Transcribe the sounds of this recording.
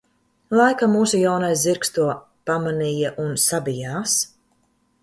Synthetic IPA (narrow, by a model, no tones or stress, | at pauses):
lˠajkamuːsujawnajsziɾkst̪uɔ | pamaniːjaʔunsabijaːs